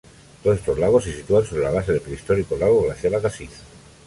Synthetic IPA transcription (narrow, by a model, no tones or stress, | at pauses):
t̪oest̪ozlaɣ̞osesit̪uanso̞βɾe̞laβ̞ase̞ðepɾeist̪o̞ɾikolaɣ̞oɣlaθjaβakasiθ